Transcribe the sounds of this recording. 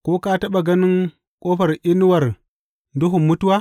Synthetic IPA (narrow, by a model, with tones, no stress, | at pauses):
ko˦ka˦ta˦ɓa˨ɡɐ˦ni˦ŋ | kʼoː˦ɸɐ˨ɾʔi˦nu˦wa˨ɾ | ndu˦ɦu˨mːu˦tu˦wa˦